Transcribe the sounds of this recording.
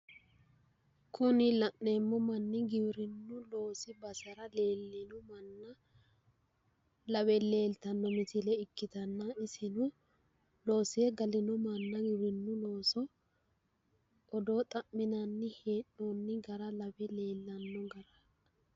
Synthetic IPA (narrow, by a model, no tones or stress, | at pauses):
kʰʊnɪlɐʔne̞ːmːɔmɐnːɪɡɪbɪɾɪnːʊlo̞ːsɪbɐsɐɾɐle̞ːlːɪnɔmɐnːɐ | lɐbɛle̞ːlt̪ɐnːɔmɪt̪ɪlɛɪkːɪt̪ɐnːɐɪsɪnʊ | lo̞ːsɪjɛɡɐlɪnɔmɐnːɐɡɪbɾɪnːʊlo̞ːsɔ | ɔd̪o̞ːt̪ʼɐʔmːɪnɐnːɪheːʔonːɪɡɐɾɐlɐbɛle̞ːlːɐnːɔɡɐɾɐ